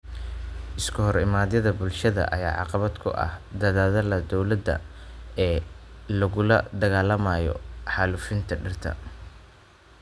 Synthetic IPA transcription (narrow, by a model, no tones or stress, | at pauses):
ʔɪskʰʊhɔɾɪmaːðjɐðɐbʊlʃɐðɐ̰ʔɐ̰ja̰ːʕɑ̰qɑβɐd̪kʰʊ̰ʔɐ̰hd̪ɐðaːðɐlɐd̪ɔwlɐd̪ɐ̰ | ɛːlɐɣʊlɐ̰d̪ɐɣaːlɐmaːjɔ̰ħɑluːfɪnt̪ʰɐɖɪrt̪ʰɐ̰